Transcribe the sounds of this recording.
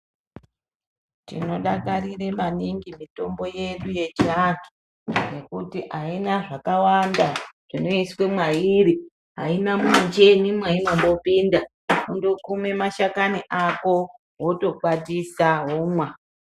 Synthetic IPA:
tḭno̞ɗakaɾire̞maniŋɡimito̞mbo̞je̞ɗuje̞t͡ʃiaki̥ | je̞kutiʔainaʐakawandaʐ̥ino̞iswe̞mwaiɾi | ɦainamut͡ʃe̞nimwaimambo̞pinda | kundo̞kume̞maʃakaniʔako̞ | woto̞kwatisaɦomwa

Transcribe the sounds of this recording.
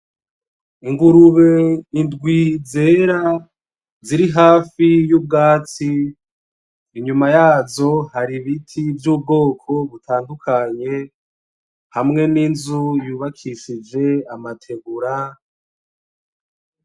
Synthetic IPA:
iŋɡuɾuβe̞indɡwize̞ːɾa | ziɾiɦaːfijub̚ɡaːt͡si | ɲumajaːzo̞haɾiβitʰivjub̚ɡo̞ːkʰo̞βutʰaːndukʰaɲe̞ | hamŋe̞ninzujuːβakʰiʃid͡ʒe̞amatʰe̞ɡuɾa

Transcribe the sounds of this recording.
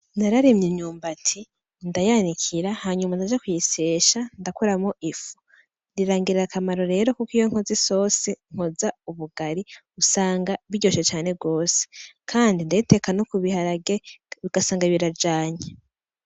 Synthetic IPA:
naɾaɾimɲiɲuːmbatʰi | ndajanikʰiɾahaːɲumandad͡ʒakujiseːʃandakuɾamoʔifu̥ | ndiɾaːŋɡiɾeɾakamaɾo̞ɾe̞ːɾo̞kukijo̞ŋ̥oziso̞seŋ̥ho̞zauβuɡaɾi | usaːŋɡaβiɟo̞ʃet͡ʃaːne̞ɡo̞ːse̥kʰaːndindajite̞kanokuβihaɾaɡeβiɡ̥asaːŋɡaβiɾad͡ʒaːɲe

